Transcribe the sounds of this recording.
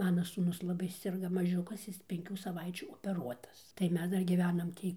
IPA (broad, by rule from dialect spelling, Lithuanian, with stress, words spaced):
ˈmɑːnɐ suːˈnʊs lˠɐˈbɐɪ sʲɪrˈɡɐ mɐˈʒʲʊkɐs ˈjɪs pʲɛŋʲˈkʲuː sɐˈʋɐɪt͡ʃʲuː oːpʲɛˈruɔtɐs tɐɪ ˈmʲɛs ˈdɐr ɡʲiːˈʋʲæːnɐm ˈtʲiː